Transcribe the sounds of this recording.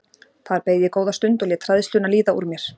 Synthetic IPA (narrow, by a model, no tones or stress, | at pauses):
θaɾpeːjðjɪkoːwðast̪ʏnt̪ɔɣlɛːt̪ʰɾaðɪst̪ʏnaliːðaṵɾmjɛɾ̥